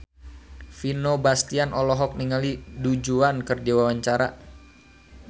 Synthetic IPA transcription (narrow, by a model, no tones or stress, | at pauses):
finobast̪ianʔɔlɔɦɔk̚niŋalidud͡ʒuankərdiwawaɲt͡ʃaɾa̰